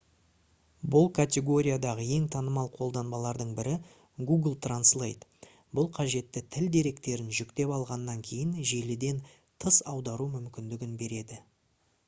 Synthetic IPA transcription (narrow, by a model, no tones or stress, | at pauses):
bʊlˠkʰat̪ʲe̞ɡo̞ɾʲijad̪ɑʁəe̞ŋt̪ʰɑnəmɑlˠqʰo̞lˠd̪ɑnbɑlˠɑɾd̪əɴbɪɾɪ | ɡuɡlˠt̪ranslˠḛjt̪ | bʊlˠqʰɑʒe̞t̪ːɪt̪ʰɪld̪e̞ɾe̞kt̪e̞ɾɪnʒʏkt̪e̞pɑlˠʁɑnːɑŋkʲʰe̞jɪnʒe̞lɪd̪e̞n | t̪ʰəsɑwd̪ɑɾumʏmkʲɪnd̪ɪɡʲɪnbe̞ɾe̞d̪ɪ